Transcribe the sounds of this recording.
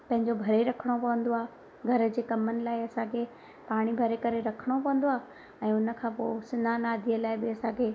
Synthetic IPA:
pɐ̃ɦɪ̃ɲd͡ʑobʱɐɾeɾɐkʰəɽ̃opɐʋə̃nd̪oaː | ɡʱɐɾə̆d͡ʑeːkɐmənɪ̆laːɪɐsãkʰe | paːɽ̃ibʱɐɾekɐɾeɾɐkʰəɽ̃opɐʋə̃n̆d̪oaː | ɛ̃ːʊnə̆kʰãːposɪnanaːd̪ʱiːəlaːɪbɪɐsãkʰeː

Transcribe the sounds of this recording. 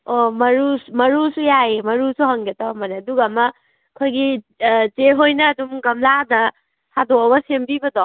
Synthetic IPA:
omɐɾusmɐɾusujaemɐɾusuɦɐŋɡetaɐmɐneɐduɡɐːmɐ | kʰojɡi | t͡ʃeɦojnɐːdumɡɐmladɐ | sadoɐbɐsembibɐdɔ

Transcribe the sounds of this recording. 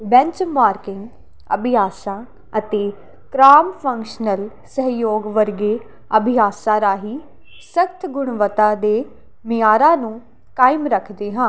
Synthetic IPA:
bɛ̃ɲt͡ʃmaːɾkɪ̃ŋɡ | ə̰bʱɪjaːsãː | ət̪eː | kɾaːmpʰə̃ŋkʃnəl | səɦjoːɡʋəɾɡeː | əbʱɪɦaːsãːɾaːɦiː | səkt̪ʰɡʊɳʋət̪ãːd̪eː | mɪjaːɾãːnũː | kaːimɾəkʰd̪eːɦãː

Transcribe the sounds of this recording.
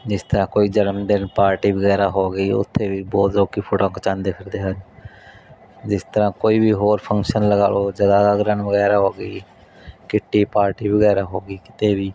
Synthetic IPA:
d͡ʒɪst̪əɾãːkoːiːd͡ʒənmd̪ɪnpaːɾʈiːbəɡɛːɾaːɦoːɡəiːʊ̰t̪ʰːeːbiːbɔːt̪ɾoːkiːpʰʊʈõːkt͡ʃãːnd̪eːkʰəɾd̪eːɦəd͡ʒ | d͡ʒɪst̪əɾãːkoːiːbʱiːɦoːɾpʰə̃ŋkʃənləɡaːloːd͡ʒəd̪aːd̪aːɡɾənʋəɡɛːɾaːɦoːɡiː | kɪʈːiːpaːɾʈiːbəɡɛːɾaːɦoːɡiːkɪ̥t̪eːbiː

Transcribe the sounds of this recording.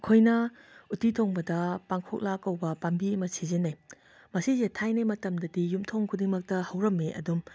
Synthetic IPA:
kʰojnɐutitʰoŋbɐdɐpaŋkʰok̚lakːɐwbɐpambiɐmɐsizenɐj | mɐsizetʰajnajmɐtɐmdɐdijumtʰoŋkʰudiŋmɐk̚tɐhɐwɾɐmːeʔɐ̰dum

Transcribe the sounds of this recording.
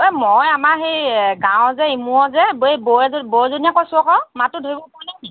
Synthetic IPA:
emɔjamaɹxejɡãw̃zɛimuɔzɛbeboɛzbozonijakɔjsʊɔkɔmatʊdʱoibɔpaɹinaki

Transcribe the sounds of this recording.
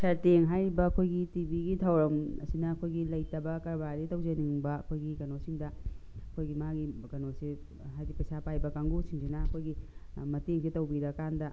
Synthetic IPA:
sʰɐɾteŋɦajɾbɐːkʰojɡitibiɡitʰawɾɐmɐsinɐːkʰojɡilɐjtɐbɐkɐɾbaɾitɐwzɐniŋbɐːkʰojɡikɐnosiŋdɐɐkʰojɡimaɡikɐnosi | ɦajɡipɐsapajbɐkaŋɡusiŋsinɐɐkʰojɡimɐteŋsitɐwbiɾɐkandɐ

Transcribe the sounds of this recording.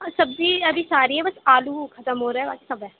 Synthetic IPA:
səbd͡ʒiːəbʱiːsaːɾiːɦɛːbəsaːluːkʰət̪əmɦoːɾɛːɛːba̰ːkisəbɛː

